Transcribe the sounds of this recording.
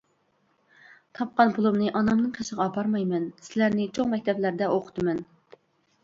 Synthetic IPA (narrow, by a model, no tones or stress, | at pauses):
t̪ʰɑp̚qɑnbulˠumnɨʔɑnɑmnɨŋqʰeʃəʁɑpʰɑɾmɑjmɛnsɪlæɾnɪt͡ʃʰoŋmɛk̚ʲt̪ʰɛblæɾd̪ɛʔoqʰə̥t̪ɨmɛn